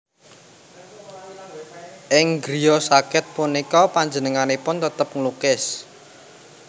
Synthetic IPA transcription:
ʔɪŋɡɾiɔsakɪt̪̚punikɔpaɲd͡ʒənəŋanepʊnt̪ət̪əp̚ŋlukɪs

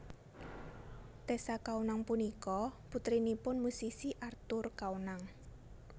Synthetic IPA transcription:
t̪esakawnaŋpunikɔput̪ɾinipʊnmusisiʔart̪ʊrkaunaŋ

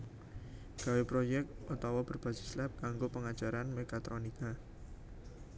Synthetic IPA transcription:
ɡ̥a̤wepɾojɛk̚tʔut̪awɔb̥ərb̥a̤sɪ̥slɛp̚kaŋɡopəŋad̥ʒ̥a̤ɾanmekat̪ɾonika

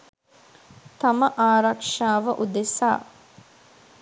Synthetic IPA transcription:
t̪ɐmɐʔaːɾɐkʂaːʋəʔud̪esaː

